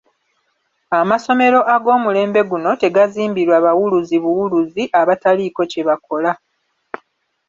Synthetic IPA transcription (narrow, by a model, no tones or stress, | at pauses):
amaso̞me̞ɾo̞ʔaɡo̞ːmule̞ːmbe̞ɡuno̞te̞ɡaziːmbiɾwaːβawuluziβuwuluziʔaβataliko̞ce̞βako̞la